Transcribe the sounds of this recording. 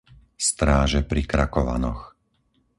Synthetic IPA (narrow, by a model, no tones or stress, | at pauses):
st̪ɾaːʒɛpɾikɾakɔʋa̰nɔx